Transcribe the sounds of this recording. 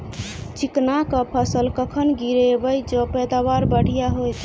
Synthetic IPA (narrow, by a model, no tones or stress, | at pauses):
t͡ʃiknakəpʰəsəlkəkʰənɡiɾebəjd͡ʒəpɛd̪abaɾbəɽ̤ʱijaɦojt̪